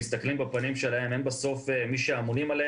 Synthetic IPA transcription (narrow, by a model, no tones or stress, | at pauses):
ist̪ɐklimbepanimʃe̞lahe̞me̞nbeso̞femiʃeamonimale